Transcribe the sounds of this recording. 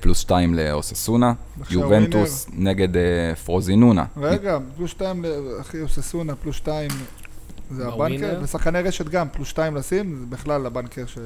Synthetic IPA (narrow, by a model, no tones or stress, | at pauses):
plusʃtaimleosesuna | bejuventusneɡedefʁozinuna̰ʁeɡaplusʃt̪aimleaχiosesunaplusʃtaim | zeabannkebesaχkaneʁeʃet̪ɡamplusʃtaimlasimzebiχlalabankeʁʃe